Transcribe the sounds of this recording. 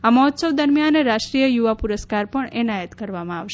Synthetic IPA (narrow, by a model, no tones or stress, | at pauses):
aməɦɔt̪səʋd̪əɾmjanɾaʃʈɾijəjuʋapuɾəskaɾpəɳɛnajət̪kəɾʋamãaʋʃ